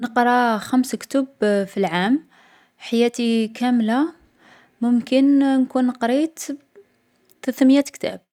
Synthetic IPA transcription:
nəqɾˤɑxæmskt̪ʊbfilʕam | ħajæt̪ikʰæmla | mʊmkənnkunːəqɾit̪ | t̪ət̪mjæt̪kt̪æ̰b̚

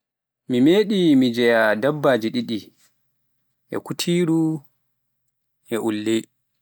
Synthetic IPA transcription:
mimeːɗimid͡ʒɛjadabːad͡ʒiɗiɗi | ʔɛ̰kutʰiːɾu | ʔɛʔulːe

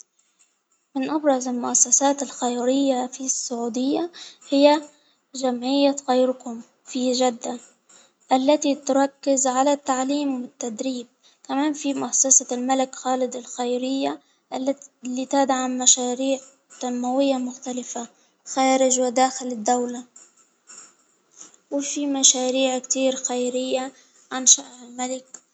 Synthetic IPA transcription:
mɪnʔabɾˤɑzɪlmʊʔasːasaːt̪ɪlxajɾɪjːafisːʊʕuːd̪ɪjːahɪjːa | d͡ʒamʕɪjːaɣajɾkʊm | fiʒad̪ːa | ʔalːat̪it̪ʊɾˤɑkːɪzʕalat̪ːaʕliːmwɪt̪ːad̪ɾiːb̚ | kamaːnfimʊʔasːasalmalɪkxaːlɪd̪ɪlxajɾɪjːa | ʔalːalit̪aːd̪aʕamaʃaːɾiːʕ | t̪amːawɪjːamʊxt̪alɪfa | xaːɾɪd͡ʒwɪd̪aːxɪlɪd̪ːawla | wɪfimaʃaːɾiːʕkt̪iːɾxajɾɪjːa | ʕanʃaʔʕɪlmalɪk̚

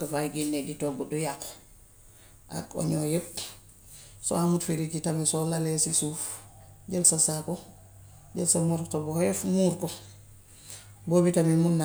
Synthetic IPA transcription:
ɡafaɡinːeditoɡudujak | ʔa̰ko̰ɲojep̚ | so̰amutfeɾikitamisolalesisufɟelsasako | ɟelsamuɾtobɔhjefmuɾkɔ | bobitamimunːa

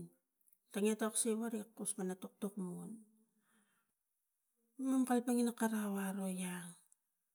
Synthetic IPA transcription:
taŋiataksewaɾikːuspanatok̚tukmun | mamkalpaŋinakaɾawaɾo̞jaŋ

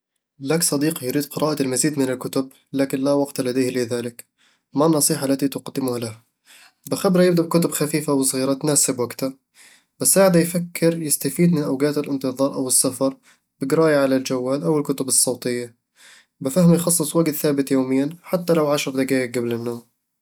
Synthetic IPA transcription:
laːksˤɑd̪iːqjɾiːd̪̚qɨɾʔɑːʔaɪlmaziːd̪mɪnɪlkʊt̪ʊb̚ | laːkɪnlawɑɡt̪alad̪ajhlɪðaːlɪk | manːɑsˤiːħaʔlːat̪it̪ʊqɑd̪ːɪmʊhalaha | bɪxabɾajɪbd̪aʔbkʊt̪ʊbxafiːfawsˤɣiːɾɑt̪naːsɪbwaɡt̪a | bɪsːaːʕɪd̪ajfakʰːɪɾjɪst̪afiːd̪mɪnʔawɡaːt̪ɪlʔɪnt̪ɨðˤɑːɾˤʔawɨsːafɑɾˤ | bɪɡɾaːjaʕalald͡ʒawːaːlʔawɪlkʊt̪ʊbɨsˤːɑwt̪ˤɪjːa | bɪfahmjxɑsˤːɨsˤwaɡt̪θaːbɪt̪joːmɪjːanħat̪ːalawʕaʃɾɑɾˤd̪aɡaːjɪk̚ɡablɪnːoːm

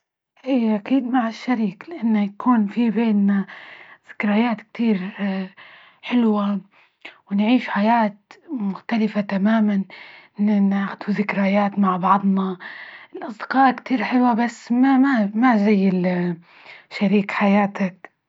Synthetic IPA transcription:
ʔiːʔakiːd̪maʕɪʃːaɾiːklɪʔanːajakuːnfibeːnːað̥ɪ̥kɾajaːt̪k̚t̪iːɾ | ħɪlwa | wɪnʕiːʃħajaːt̪mʊxt̪alɪfat̪amaːman | naʕxd̪uðɪkɾajaːt̪maʕbɑʕd̪ˤnɑʔɪlʔɑsˤd̪ɪ̥qɑːʔkt̪iːɾħɪlwabasːmamamazajːɪl | ʃːaɾiːkħajaːt̪ak

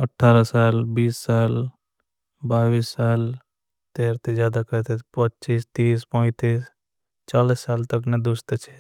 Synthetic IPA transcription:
əʈʰːaːɾasaːlbiːsːaːl | baːʋiːsːaːl | t̪eːɾt̪ʰed͡ʒjaːd̪akəɾt̪epətːt͡ʃiːst̪iːspə̃t̪iːs | t͡ʃaːlisːaːlt̪əkned̪ʊst̪t͡ʃʰe

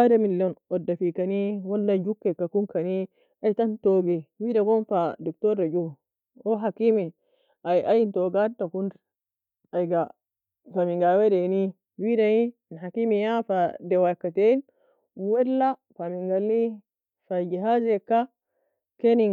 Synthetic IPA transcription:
aɾamiljɔnɔdːafikaniwɔlːad͡ʒukːɛkːakunkani | ajtantɔɡɛwidaɡɔnfadɔktɔɾːad͡ʒu | ɔɦakimi | ʔajʔajintɔɡadakund | ajɡa | famiŋɡawɛdeni | widajinɦakimijafadɛwakːaten | wɛlːafamiŋɡalːi | fad͡ʒiɦazɛkːa | keni

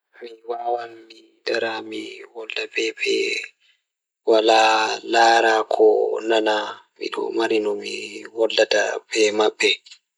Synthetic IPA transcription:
miwaːwanmi | daɾamiwɔlːabɛbɛ̰ | walalaːɾakʰɔnanamḭɗɔ̰maɾinɔmiwɔlːata̰bɛmaɓːɛ

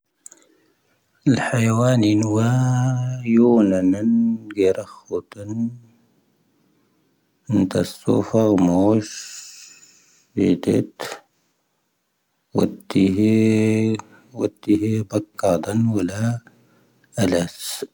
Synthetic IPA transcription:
ɪlħajawaːninwa | juːnananɡeɾaxut̪an | ɪnt̪asːṵːfɑɣmoːʃ | ḭd̪ɪ̰t̪ | wat̪ːiɦ | wat̪ːihibakːɑd̪ˤɑnwalːa | ʔalas

